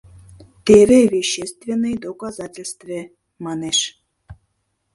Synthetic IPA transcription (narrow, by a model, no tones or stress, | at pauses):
t̪ʲevʲevʲeɕːest̪vʲenːɨjd̪okazatʲelʲst̪vʲe | mɑnʲeʂ